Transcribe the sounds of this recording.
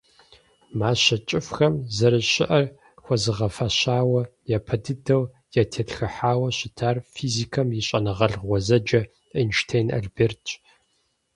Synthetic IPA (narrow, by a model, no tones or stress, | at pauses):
maːɕɐt͡ʃʼɪfxɐmzɐɾɨɕɪʔɐr | xʷɔzɨʁɐfɐɕaːwɐjapʰɐdɨdɐw | jatʰeːtxɨħaːwɐɕɪtʰaːrfiːzikʰɐmjiɕʼɐnɨʁɐɮʁʷɔzɐd͡ʒɐ | inʃtʰeːna̰ɮbeːrtʰ